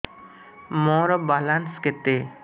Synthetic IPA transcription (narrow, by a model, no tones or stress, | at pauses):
mɔɾɔbalansket̪e